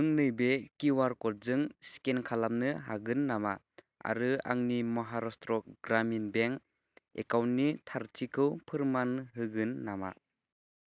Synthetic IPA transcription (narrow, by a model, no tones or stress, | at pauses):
ɯŋnɯjbekiwaɾkɔt̚zɯŋsi̥kenkʰalamnɯɦaɡɯnːama | a̰ɾɯa̰ŋnimɔɦaɾɔstɾɔk̚ɡɾaminbeŋ | ḛkawnnːitʰaɾtʰikʰɯwpʰɯɾmanɦɯɡɯnːama̰